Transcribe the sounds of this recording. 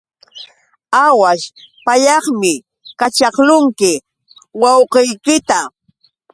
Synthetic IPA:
awaʃ | paʎɑχmɪ | kat͡ʃɑχlʊŋkɪ | wɑwqejkɪt̪a

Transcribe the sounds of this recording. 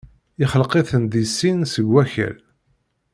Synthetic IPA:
ɪχəlqeθənd̪isːinsəɡːæçæ̰l

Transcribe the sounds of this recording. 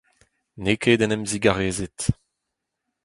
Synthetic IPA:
nekeːdɛnɛmziɡaʁeːzet̪

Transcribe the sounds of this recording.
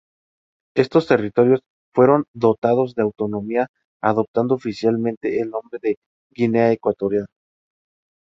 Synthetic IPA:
e̞st̪o̞st̪e̞rit̪o̞ɾjo̞s | fwe̞ɾo̞nd̪o̞t̪að̞o̞zðe̞awt̪o̞nõ̞mia | aðo̞p̚t̪and̪oːfisjalmẽnt̪e̞ːlnõ̞mbɾe̞ðe̞ | ɣineaekwat̪o̞ɾjano

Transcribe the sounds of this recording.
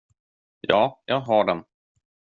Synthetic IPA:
jɑːjʔɑːɡɦaɖɛm

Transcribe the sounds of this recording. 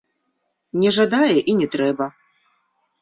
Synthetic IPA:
nʲɛʐad̪ajɛʔinʲɛt̪ɾɛbɐ

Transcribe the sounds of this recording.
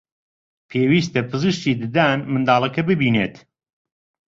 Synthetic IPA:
pʰeːwiːst̪ɐpʰɨzɨʃt̪iːd̪ɨd̪aːnmɨnd̪aːlˠɐkɐbɨbiːnḛːt̪

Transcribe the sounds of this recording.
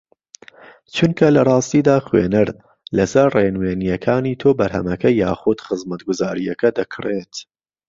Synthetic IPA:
t͡ʃunkʰɐlɐrˤɑːst̪iːd̪aːxwḛnɨɾ | lɐsɐɾrenweːnijɐkʰaːniːt̪ʰoːbɐɾɦɐ̰mɐkɐjaːxʊd̪xɨzmɐt̪ɡʊzaːɾijɐkʰɐd̪ɐkʰɾeːt̪

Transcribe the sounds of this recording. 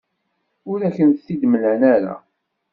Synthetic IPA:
ʊɾæçənθid̪məlænæɾa̰

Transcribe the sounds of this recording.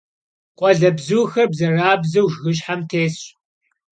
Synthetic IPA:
qʷʼɔɮɐbzuːxɐrbzɐraːbzɐwʒɣɨɕ̬ħamtʰeːs

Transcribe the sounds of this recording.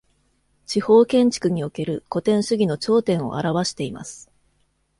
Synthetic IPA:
t͡ɕiho̞ːkẽ̞ɲ̟t͡ɕi̥kɯ̟ɲ̟io̞ke̞ɾɯ̟ko̞t̪ẽ̞ɰ̃ɕɨɡʲino̞t͡ɕo̞ːt̪ẽ̞ɰ̃o̞̰ʔa̰ɾaβaɕi̥t̪e̞ima̰sɨ̥

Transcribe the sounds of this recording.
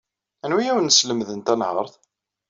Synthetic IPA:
ænwijæwənəsləmðənt̪ænhə̰ɾˤθ

